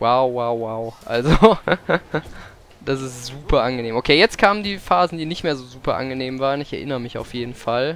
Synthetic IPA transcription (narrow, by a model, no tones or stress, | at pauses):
waʊwaʊwaʊʔalzo | d̥asɪstz̥uːpʰɐʔanɡəneːmʔokʰeːjɛt͡st̚kʰaːməndiːfaːzn̩diːnɪçtmeːɐzoːzuːpɐʔa̰nɡəneːmvaːʁənɪçɛɐʔɪnəʁəmɪça̰ʊfjeːdn̩fal